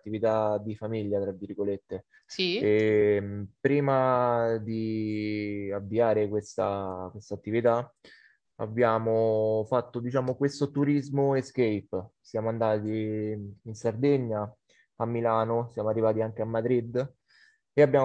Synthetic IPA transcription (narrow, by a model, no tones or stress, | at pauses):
t̪ːivit̪ad̪ifamiʎːat̪ɾavːirɡolet̪ːe | sie | pɾiːmad̪i | avːiaːɾekwest̪akwest̪at̪ːivit̪a | a̰bːjaːmofat̪ːod̪it͡ʃaːmokwest̪ot̪uɾizmoeskejpsjaːmoand̪aːt̪i | insard̪eɲːa | amːilaːnosjaːmoarːivaːt̪iaŋk̟eamːad̪ɾid̪ː | eabːjaː